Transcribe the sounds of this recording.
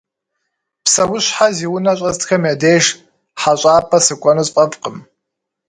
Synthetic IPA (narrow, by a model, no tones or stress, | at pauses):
pʰsawʊʃʷħaziwʊnaɕʷʼaztʰkʰamjadejʒ | ħaɕʷʼaːpʰʼasɨkʷʼanɨzʼqʼapʼqʼəm